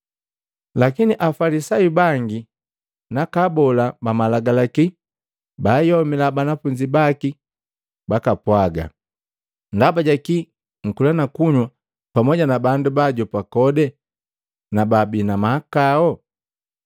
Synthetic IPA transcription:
lakiniʔafalisajubaŋɡi | nakabɔlabamalaɡalaki | bajɔmilabanafuɲd͡ʒibaki | bakapwaɡa̰ | ndabaɟaki | ŋ̩kulanakuɲwa | pamɔɟanabandubaɟɔpakɔdɛ | nababinamakaɔ

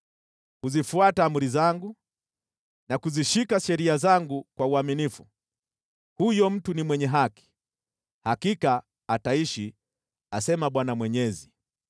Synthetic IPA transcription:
huzifuataːmuɾizaŋɡu | nakuziʃikaʃɛɾiazaŋɡukwauaminifu | hujɔm̩tunimwɛɲɛɦaki̥ | hakikaː | taiʃi | asɛmaɓwanamwɛɲɛzi

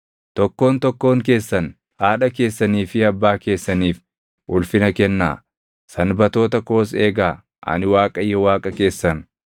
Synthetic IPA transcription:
t̪ɔkːo̞ːnt̪ɔkːo̞ːŋke̞ːsːɐn | haːᶑɐke̞ːsːɐniːfɪɐbːaːke̞ːsːɐniːf | ʔʊlfɪnɐkɛnːa̰ː | sɐnbɐt̪o̞ːt̪ɐko̞ːs̬eːɡaː | ʔɐ̰nɪwaːkʼɐjːɔwaːkʼɐke̞ːsːɐn

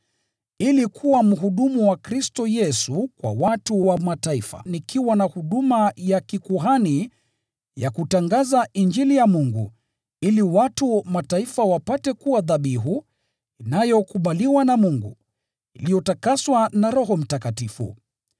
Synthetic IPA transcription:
ilikʰuwam̩ɦuɗumuwakɾistɔjɛsukwa̰watuwamataifa̰nikʰiwanahuɗumajakikuɦani | ja̰kutaŋɡazaind͡ʒilijamuŋɡṵ | iliwatumataifawapatɛkuwaðaɓiɦu | inajɔkuɓaliwanamuŋɡṵ | ilijɔtakaswanaɾɔɦɔm̩takatifṵ

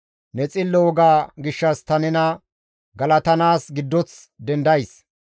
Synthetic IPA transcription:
nɛt͡sʼɪlːɔwɔɡaːɡɪʃːɐst̪ɐnɛnɐ | ɡɐlɐt̪ɐnaːsɡɪd̪ːɔt͡s | d̪ɛnd̪ɐjs

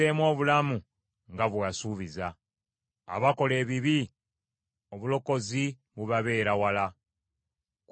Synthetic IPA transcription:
emwo̞ːβulamu | ŋɡaβwasuːβiza | a̰βako̞le̞ːβiβi | oβulo̞ko̞zi | βuβaβe̞ːɾawala | k

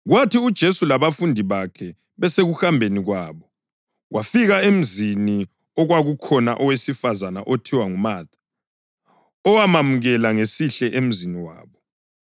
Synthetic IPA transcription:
ɣwatʰiud̥ʒ̥ʱesulaβafundʱiβakʰɛ | βɛseɣuxambʱeniɣwaːβɔ | wʔafiɣaem̩zini | ɔɣwaɣukʰɔnaʔɔwesifazanaʔotʰiwaŋumaːtʰḁ | ɔwamamuɣɛlaŋesiɬɛʔem̩ziniwa̰ːβɔ

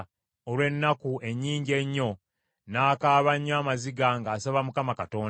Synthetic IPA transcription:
olwe̞nːakue̞ɲːiːɲɟe̞ɲːo̞ | naːkaːβaɲːaːmaziɡaŋɡaːsaβamukamakato̞ːn

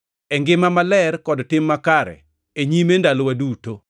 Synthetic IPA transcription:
ɛŋɡɪmamalɛrkɔdtɪmːakaɾɛ̰ | eɲimendalɔwaduto

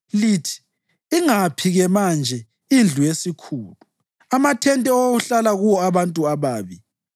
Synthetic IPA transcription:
litʰi̥ | iŋapʰiɣɛmand͡ʒʱɛ | ind͡ɮʱujesikʰuːlu | amatʰɛntʼɛouɬalaɣuwɔaβantʼuaβaːβi

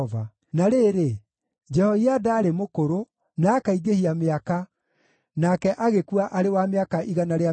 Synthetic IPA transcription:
ɔva | naɾeɾe | d͡ʒɛhɔiadaːɾemokoɾo | naːkaiɡehiameaka | nakɛʔaɣekuaʔaɾewameakaʔiɣanaɾea

